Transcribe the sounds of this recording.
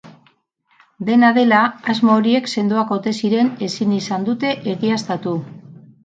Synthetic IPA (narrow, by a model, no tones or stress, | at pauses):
d̪e̞naðe̞laazmoːɾie̞kse̞nd̪oakot̪e̞siɾe̞ne̞sinisand̪ut̪e̞ʔeɣiast̪at̪u